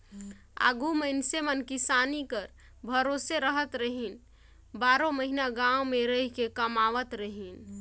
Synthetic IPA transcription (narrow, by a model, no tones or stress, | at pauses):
a̰ːɡuməɪnsemənkɪsaːnikəɾ | bʱəɾoːseɾəɦət̪ɾəɦin | baːɾõməɦinaɡãːomẽɾəɦikekəmaːʋət̪ɾəɦin